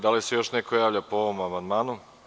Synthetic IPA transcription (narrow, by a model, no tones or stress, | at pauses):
d̪alise̞jo̞ʃne̞kʰo̞jaːʋʎapooʋomamand̪maːnu